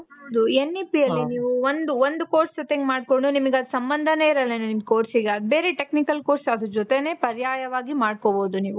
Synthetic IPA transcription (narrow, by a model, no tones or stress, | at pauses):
ɐd̪uenːipijɐlːiniːʋuond̪uʋond̪uko̞ːɾsd͡ʒot̪eŋɡemaːɖkoɳɖunimɐɡeɐd̪usɐmbɐnd̪ʱɐneiɾɐlːɐnunimkoːɾsiɡeɐd̪beːɾeʈe̞knikɐlkoːɾsɐd̪ɾud͡ʒot̪ene̞ːpɐɾjaːjɐʋaːɡimaːɽ̚koboːd̪uniːʋu